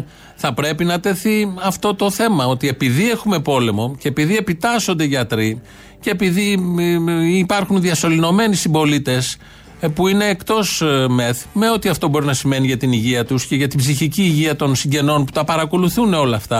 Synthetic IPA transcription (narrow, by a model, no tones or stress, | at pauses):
θɐpɾe̞pinɐt̪e̞θiɐft̪o̞t̪o̞θe̞mɐo̞t̪ie̞piðie̞xume̞po̞le̞mo̞cepiðie̞pit̪ɐsond̪e̞ʝɐt̪ɾi | ceːpiði | ipɐɾxunðiɐso̞lino̞me̞nisimbo̞lit̪e̞s | puine̞ːkt̪o̞sme̞θme̞o̞t̪iɐft̪o̞bo̞ɾinɐsime̞niʝɐt̪iniʝiɐt̪usce̞ʝɐt̪ibziçiciːʝiɐt̪o̞nsiɲɟe̞no̞npu̥t̪ɐpɐɾɐko̞luθuneo̞lɐft̪ɐ